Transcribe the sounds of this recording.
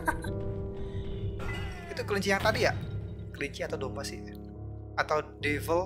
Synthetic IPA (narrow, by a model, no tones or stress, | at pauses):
it̪ukəliɲt͡ʃijaŋt̪adija | kəliɲt͡ʃiat̪awdombasɪ̰h | at̪awdevəl